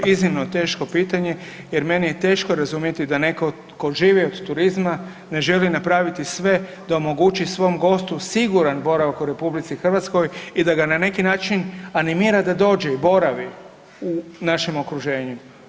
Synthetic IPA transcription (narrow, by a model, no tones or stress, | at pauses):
iznimno̞t̪e̞ːʃko̞piːt̪aɲe̞ | je̞ɾme̞nije̞t̪e̞ːʃkoɾazumje̞t̪id̪ane̞ko̞ | ko̞ʒiːʋiod̪t̪uɾizma | ne̞ʒe̞linapɾaːʋit̪isʋe̞ | d̪aomo̞ɡut͡ʃisʋo̞mɡo̞st̪usiɡuɾanbo̞ɾaʋakuɾe̞publit̪sixr̩ʋat̪sko̞jid̪aɡanane̞kinaːt͡ʃinanimiːɾad̪ad̪o̞ːd͡ʒe̞ibo̞ɾaʋi | unaʃimo̞kɾuʒe̞ːɲu